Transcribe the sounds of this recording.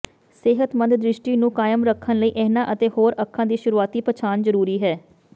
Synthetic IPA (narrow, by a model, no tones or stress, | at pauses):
sɪɦət̪mə̃nd̪d̪ɾɪʃʈiːnũːkaːjəmɾəkʰːənləiːʔɛːnãːʔət̪eːhoːɾəkʰːãːd̪iːʃʊɾuːaːt̪iːpət͡ʃʰaːnzəɾuːɾiːɦɛː